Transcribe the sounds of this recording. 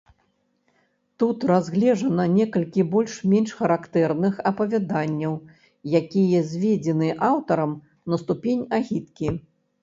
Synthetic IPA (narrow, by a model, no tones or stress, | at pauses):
t̪ut̪razɣlʲɛʐɐnɐnʲɛkɐlʲkʲibɔlʲʂmʲɛnʂxɐɾakt̪ɛrnɨxɐpɐvʲad̪anʲːɐw | jakʲijɐzʲvʲed͡zʲɛnɨʔawt̪ɐɾɐm | nɐst̪upʲenʲaɣʲit̪kʲi